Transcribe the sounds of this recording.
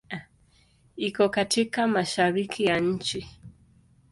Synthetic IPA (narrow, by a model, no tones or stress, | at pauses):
ikɔkatikamaʃaɾikʰijaɲ̩t͡ʃi